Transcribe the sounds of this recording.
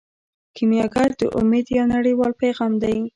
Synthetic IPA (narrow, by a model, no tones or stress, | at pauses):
kimjɑɡaɾd̪ə̰ʔʊ̰med̪jɑnaɽəjwɑlpajɣɑmd̪aj